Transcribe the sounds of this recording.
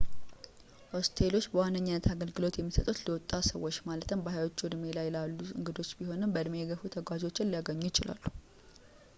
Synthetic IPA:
ʔo̞st̪ʰelo̞t͡ʃːbəwanːəɲːɪnːət̪ʰaɡəlɡɨlo̞t̪jɛmːisət̪ʼut̪ləwɔt̪ʼːasəwːo̞t͡ʃːmalət̪ɨmbəhajwot͡ʃːud̪me̞lajlalːuɨ̰ŋɡɨd̪o̞t͡ʃːbiho̞nɨmbəd̪mejɛɡəfut̪ʰəɡwad͡ʒo̞t͡ʃːɪnlijaɡəɲːujɪt͡ʃɪlʔa̰lːu̥

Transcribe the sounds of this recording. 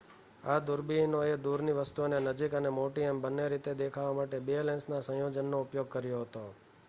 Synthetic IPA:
ad̪uɾbinoed̪uɾniʋəst̪uonenəd͡ʒikənemoʈiembənːeɾit̪ed̪ekʰaʋamaʈebiolensnasə̃jod͡ʒənːoupjoɡ̚kəɾjoɦət̪o

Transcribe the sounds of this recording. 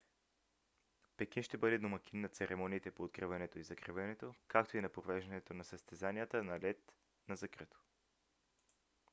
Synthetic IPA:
pɛk̟inʃt̪ɛbɤd̪ɛd̪omɐk̟ʲinːɐt̪sɛɾʔɛmɔniːt̪ɛpoːt̪̚kɾivɐnɛt̪oizɐkɾivɛnɛt̪okak̚t̪oinɐpɾovɛʒd̪ɐnɛt̪onɐsəst̪ɛzaniət̪ənɐlɛt̪ | nɐzɐkɾit̪o̥

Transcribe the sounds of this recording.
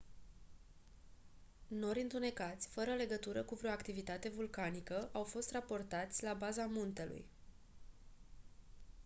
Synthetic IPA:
no̞ɾʲɨnt̪une̞kat̪sʲfəɾəle̞ɡət̪uɾəkuvɾeoakt̪ivit̪at̪e̞vulkanikəʔawfo̞st̪rapo̞rt̪at̪sʲlabazamunt̪e̞lṵj

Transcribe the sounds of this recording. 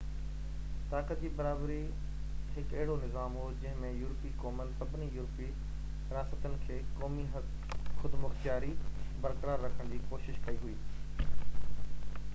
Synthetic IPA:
t̪aːkət̪̚d͡ʑiːbɐɾaːbɾi | ɦɪkɐɦɪɽonɪzaːmɦoːd͡ʑɐ̃ɦɪ̃mẽjuːɾpikɔːmənɪsɐbʱɪnijuːɾpi | ɾɪɾaːsət̪ənɪ̆kʰeːkɔːmi | xʊd̪mʊxt̪jaːɾibɐɾkəɾaːɾːɐkʰəɽ̃d͡ʑiːkoːʃɪʃkɐiɦuiː

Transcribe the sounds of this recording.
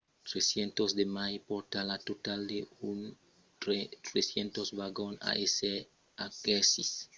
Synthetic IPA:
t̪ɾesjent̪ozd̪emajpoɾt̪alat̪ot̪ald̪eun | et̪ɾesjent̪osβaɡona̰ʔese | akesis

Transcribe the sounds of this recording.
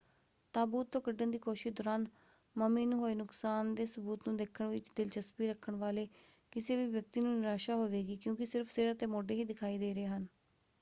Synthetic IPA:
t̪aːbuːt̪ːõːkəɖːənd̪iːkoːʃɪʃd̪ɔːɾaːn | məmeːnũːɦoːeːnʊksaːnd̪eːsəbuːt̪nũːd̪eːkʰəɳʋɪt͡ʃd̪ɪlt͡ʃəspiːɾəkʰːəɳʋaːleːkɪseːʋiːʋjək̚t̪iːnũːnɪɾaːʃaːɦoːʋeːɡiːkjõːkɪsɪɾpʰseːɾaːt̪eːmoːɖeːɦiːd̪ɪkʰaːiːd̪eːɾeːɦən

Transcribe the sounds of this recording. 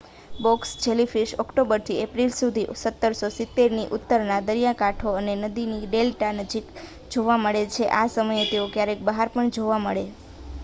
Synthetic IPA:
bɔksd͡ʒelifiʃɔkʈobəɾt̪ʰiepɾilsud̪ʱisət̪ːəɾsosɪt̪ːeɾniʔʊt̪ːəɾnad̪əɾijakaʈʰoənenəd̪iniɖelʈanəd͡ʒik | d͡ʒoʋaməɭet͡ʃʰeʔasəməjet̪eokjaɾek̚bəɦaɾpəɳd͡ʒoʋaməɭe

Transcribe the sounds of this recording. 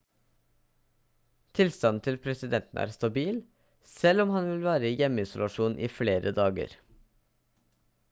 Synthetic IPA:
t̪ʰɪlst̪ɑnt̪ʰɪlpʰɾɛsɪd̪ɛnt̪n̩ʔæ̰ːɾst̪ɑbiːl | sɛlɔmhɑnʋɪlʋæːɾəjɛmːəɪsʊlɑʂuːnʔḭːfleːɾʔəd̪ɑːɡə̰ɾ

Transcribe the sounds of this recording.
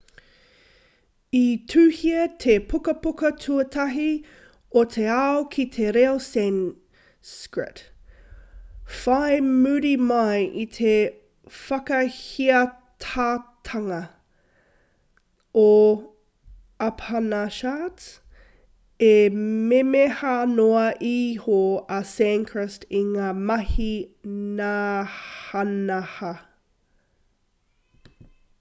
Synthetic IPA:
itʰʉːhiɐt̪ʰepʰukɐpukɐtʰuɐtʰɐɦi | otʰeaokʰit̪ʰeɾeosɛn | skɹɪ̰t | fajmʉɾimɐjʔit̪ʰe | fɐkɐhiɐ | tʰaːt̪ʰɐŋɐ | o | ɐpʰanaʃat | ememehanoɐʔiːhoɐsɛŋkʰɹəstiŋaːmɐhinaːhɐnɐhɐ

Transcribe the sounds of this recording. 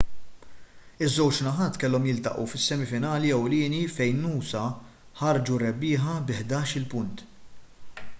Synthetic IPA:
ɪzːɛwt͡ʃnɐħɐːt̪kɛlːɔmjɪlt̪ɐ̰ʔṵfɪsːɛmifɪnɐːliɛwlɪːnifɛjnːuːsɐ | ħɐɾd͡ʒuɾɛbːɪːħɐbɪħd̪ɐːʃɪlpʊnt̪

